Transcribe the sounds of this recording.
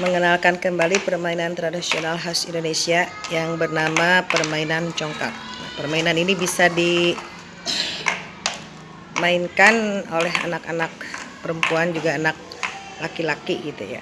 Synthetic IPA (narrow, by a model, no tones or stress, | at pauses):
məŋənalkankəmbalipərmainant̪ɾadisionalɦasindonesiajaŋbərnamapərmainant͡ʃɔŋka̰k̚ja̰pərmainaninibisadi | mainkanolɛɦa̰naka̰nak̚pəɾəmpuand͡ʒuɡaːnak̚ | lakilakiɡit̪ṵja̰